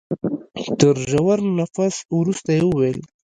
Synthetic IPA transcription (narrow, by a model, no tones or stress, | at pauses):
t̪əɾʒawaɾnafaswɾust̪ajewəwel